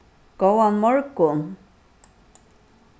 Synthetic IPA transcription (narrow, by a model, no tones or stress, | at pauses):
ɡ̥owanmɔɹkʊn